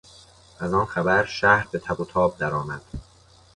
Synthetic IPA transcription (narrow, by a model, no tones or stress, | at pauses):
ʔæzɒːnxæbæɾʃæhɾbe̞t̪ʰæbot̪ʰɒːb̚d̪æɾɒːmæd̪̥